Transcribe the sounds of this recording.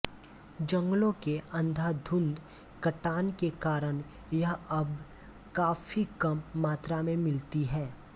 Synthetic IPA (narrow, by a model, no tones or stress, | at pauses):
d͡ʒɐ̃ŋɡlõkeʔɐ̃nd̪ʱad̪ʱʊ̃nd̪ | kɐʈaːnkekaːɾən | jɐɦɐb | kaːfikɐmːaːt̪ɾamẽmɪlt̪iɦɛː